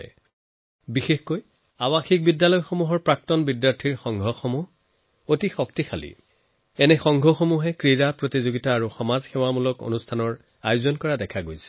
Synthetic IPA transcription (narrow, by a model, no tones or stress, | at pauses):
ɛ̰ | bixexkoj | awaxik̚bidːalɔjxomuɦɔɹpɹak̚tɔnbidjaɹtʰiɹxɔŋɡʱɔxomuɦ | otixɔktixʰalḭ | ɛnɛxɔŋɡʱɔxomuɦɛkɹiɹapɹotizoɡitaːɹuxɔmazxɛwamulɔko̰nustʰanɔɹ | ajʊzɔnkɔɹadɛkʰaɡojsɛ̥